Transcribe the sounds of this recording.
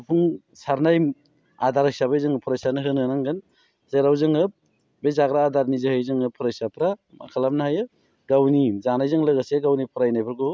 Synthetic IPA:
pʰuŋ | saɾnajm | adaɾɯksabajzɯŋɯpʰɯɾajsanɯɦɯnɯnaŋɡɯn | zeɾawzɯŋɯp̚ | bezaɡɾaːdaɾnizɯhɯjzɯŋɯpʰɯɾasapʰɾama̰kʰalam̚nahajɯ | ɡawnizanajzɯŋlaɡaseɡawnipʰɯɾajnajbɯɾɡɔ

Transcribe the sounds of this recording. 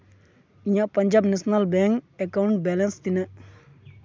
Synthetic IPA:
ijãpɐɲd͡ʒaːbnesnɐlbɛŋkekawuɳʈ̚bɛlenst̪inɐ

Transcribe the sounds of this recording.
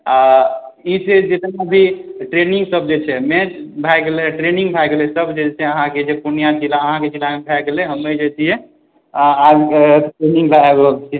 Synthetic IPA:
aised͡ʒet̪naəbʱiʈɾeniŋɡsəb̚d͡ʒet͡ʃʰɛmɛt͡ʃbʱakleʈɾenĩŋɡbʱɛɡlesəbd͡ʒet͡ʃʰɛəɦãked͡ʒepunijat͡ʃilaəɦãket͡ʃilamebʱɛkleɦəmːed͡ʒet͡ʃiɦɛ | ad͡ʒʈɾeniŋɡlaɛbolt͡ʃʰi

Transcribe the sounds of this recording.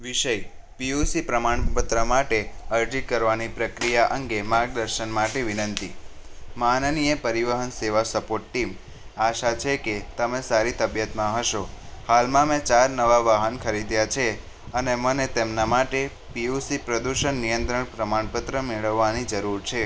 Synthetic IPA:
ʋiʃəj | piusipɾəmaɳpət̪ɾəmaʈeəɾd͡ʒikəɾʋanipɾəkɾijaʔəŋɡemaɡ̚d̪əɾʃənmaʈeʋinə̃nt̪imanənijəpəɾiʋəɦənseʋasəpoʈːim | aʃat͡ʃʰeket̪əmẽsaɾit̪əbjət̪mãɦəʃohalmãmɛ̃t͡ʃaɾnəʋaʋaɦənkʰəɾid̪jat͡ʃʰe | ənemənet̪emnamaʈe | piusipɾəd̪uʃənːijənt̪ɾəɳpɾəmaɳpət̪ɾəmeɭəʋːanid͡ʒəɾuɾt͡ʃʰe

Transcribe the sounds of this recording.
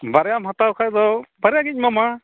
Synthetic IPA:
baɾɛjamɦat̪awkʰajd̪ɔbaɾɛjaɡic̚ˀmama

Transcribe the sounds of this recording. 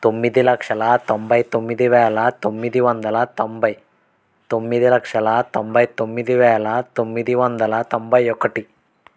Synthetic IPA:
t̪omːid̪ilɐkʂɐlɐt̪ombɐjt̪omːid̪iʋɛːlɐt̪omːid̪iʋɔnd̪ɐlɐt̪ombɐj | t̪omːid̪ilɐkʂɐlɐt̪ombɐjt̪omːid̪iʋɛːlɐt̪omːid̪iʋɔnd̪ɐlɐt̪ombɐjɔkɐʈi

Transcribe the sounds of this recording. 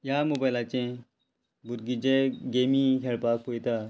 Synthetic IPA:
jamobajlat͡ɕẽ | buɾɡid͡ʑẽɡemĩkʰeɭpak̚pojt̪a

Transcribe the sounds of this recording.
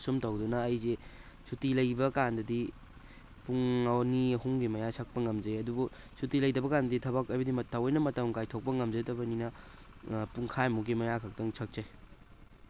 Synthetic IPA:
sumtawdunɐːjze | sʰutilɐjbɐkandɐdi | puŋawniɐhuŋɡimɐjasʰɐk̚pɐŋɐmd͡ʒɐjɐdubu | sutilɐjdɐbɐkandɐditʰɐbakɐjbɐdimɐtʰːawojnɐmɐtawŋkajtʰok̚pɐŋɐmzɐjtɐbɐninɐ | puŋkʰajmuɡimɐjakʰɐk̚tɐŋsʰɐk̚zaj

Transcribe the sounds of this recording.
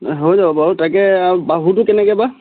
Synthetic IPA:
ɦojzababaɦutakɛbaɦutʊkɛnɛkɛba

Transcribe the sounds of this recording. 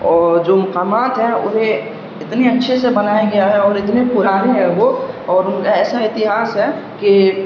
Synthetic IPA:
ɔːɾd͡ʒoːmʊkaːmaːt̪ɦɛʊ̰ɦẽ | ɪt̪neətːʃʰesebənajaɡɐjaɦɛɔːɾɪt̪nepʊɾaːɾeɦɛʋoɔːɾʊnkaɛːsaɪt̪ɪɦaːsɦɛki

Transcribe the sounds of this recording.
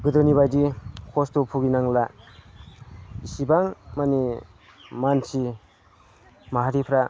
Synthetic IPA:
ɡɯd̪ɯniβajdikʰɔstupʰuɡinaŋla | sibaŋmani | mansi | maɦaɾipʰɾa

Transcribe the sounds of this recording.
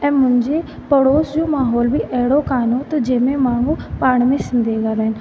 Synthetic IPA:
ɛ̃ːmʊ̃ɦɪ̃ɲd͡ʑe | pɐɽoːsd͡ʑoːmaːɦɔːlbɪʔɐɦɪɽokaːnot̪ɐd͡ʑɐːmẽmaːɳ̤ũpaːɽ̃mẽsɪ̃nd̪ʱeɡaːɾaːɦɪn̆

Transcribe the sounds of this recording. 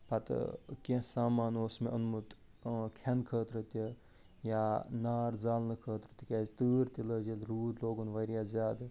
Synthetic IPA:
pɐt̪kẽsaːmaːnoːsmẽɐnmut̪ | kʰenkʰəːt̪ɾət̪i | janaːɾzaːlnɨkʰəːt̪ɾɨt̪ikaːzt̪ɨːɾt̪iləd͡ʒilɾuːd̪loːɡunʋɐɾjaːzjaːd̪

